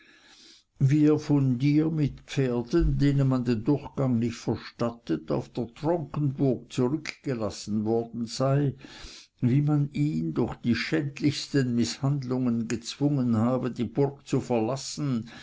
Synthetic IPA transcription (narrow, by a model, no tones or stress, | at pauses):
viːeɐfɔndiːɐmɪtpp͡feːɐdəndeːnənmandendʊɐxɡ̥aŋnɪçtfɛɐʃtatəta̰ʊfd̥eːɐtʁ̥ɔŋkən̩bʊɐk̚t͡suʁʏkɡ̥əlasn̩vɔɐdn̩z̥aɪ | viːmaniːndʊɐxd̥iːʃɛntlɪçstənmɪshandlʊŋənɡət͡sv̥ʊŋənhaːbədiːb̥ʊɐk̚t͡sufɛɐlasn̩